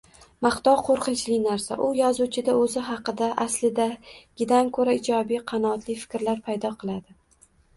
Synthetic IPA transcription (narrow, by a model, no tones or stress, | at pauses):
maχt̪ɒwqʰoɾqɨnt͡ʃʰlɪnaɾsa̰ʔʊjɒzut͡ʃʰɪd̪aɵzɪɦɑqɨd̪aʔaslɪd̪aɡ̥ʲɪd̪amkʰɵɾaɪd͡ʒɒbijqʰɑnɒːt̪lɪfɪ̥kʲɾlaɾpʰajd̪ɒqʰɨlˠad̪ɪ